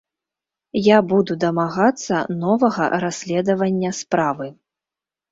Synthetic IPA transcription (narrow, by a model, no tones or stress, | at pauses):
jabud̪ud̪ɐmaɣat̪sːɐnɔvɐɣɐ̰ɾasʲlʲɛd̪ɐvɐnʲːɐspɾavɨ